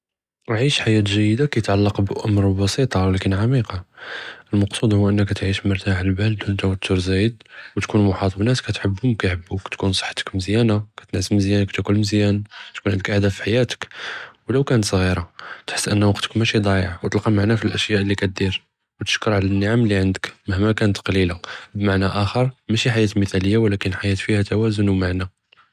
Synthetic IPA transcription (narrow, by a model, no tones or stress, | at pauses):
ʕiʃħajæt̪ʒæjəd̪akæjət̪ʕalːɑqbʔʊmɾˤbɑsˤit̪ˤɑwlækənʕamiqɑʔəlmɑqsˤud̪ˤhʊʔənːəkːæt̪ʕiʃməɾt̪aʕəlbæld̪unt̪æwæt̪ʰːʊɾzæjəd̪wt̪kunmʊħɑt̪ˤbnæt̪kæt̪ħəbːhʊmkæjħəbːukæ̥t̪kunsˤə̥ħːt̪ə̥kməzjænakæ̥t̪ənʕəsməzjænakt̪ækulməzjænt̪kunʕənd̪əkʔəhd̪æfiħajæt̪ə̥kwləwkænət̪sˤɣiɾɑt̪ħə̥sːʔənːwɑqt̪ə̥kmæʃid̪ˤɑjəʕwt̪əlqɑmaʕnæfilʔæʃjæʔəlːikæt̪̚d̪iɾ | wt̪ə̥ʃkəɾʕalænːəʕamlːiʕənd̪əkməhmækænət̪qɑlilabmaʕnæʔæxəɾˤmæʃiħajæt̪lməθæləjːawlækənħajæt̪fihæt̪æwæzʊnwmaʕnæ